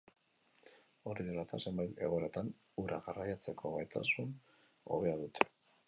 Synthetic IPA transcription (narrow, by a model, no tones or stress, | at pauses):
o̞ɾiðelat̪ʰase̞mbajt̪e̞̰ɣ̞oɾat̪an | uɾaɣarajat͡se̞kʰo̞ɣajt̪ʰa̰sun | o̞̰βe̞aðut̪ʰe̥